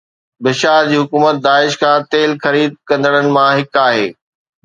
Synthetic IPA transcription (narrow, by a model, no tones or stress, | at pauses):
bɪʃaːɾd͡ʑiːɦʊkuːmət̪̚d̪aːɪʃkʰãːt̪eːlxɐɾiːd̪̚kɐ̃nd̪əɽ̃ənɪ̆mãɦɪkaːɦeː